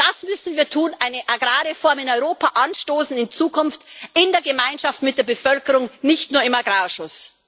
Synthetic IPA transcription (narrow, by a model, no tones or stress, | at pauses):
d̥asmʏsn̩viːɐtʰuːnʔaɪnəʔaɡʁaːʁefɔɐmɪnɔʏʁoːpʰaʔanʃtoːsn̩ɪnt͡suːkʰʊnftɪndeːɐɡəmaɪnʃaftmɪt̚d̥eːɐbəfœlkəʁʊŋnɪçtnuːɐɪmaɡʁaːʃʊs